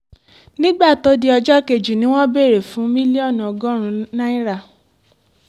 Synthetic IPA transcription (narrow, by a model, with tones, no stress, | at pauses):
nĩ˦ɡ͡ba˦˨to˨˦di˦ɔ˧d͡ʒɔ˦ke˧˨d͡ʒu˨nĩ˦w̃ɔ̃˦be˦˨ɾe˨fũ˨˦mĩ˦li˦ɔ˦˨ñ˨ɔ˧ɡɔ̃˦ɾ̃ũ˧nã˦i˦ɾa˦˨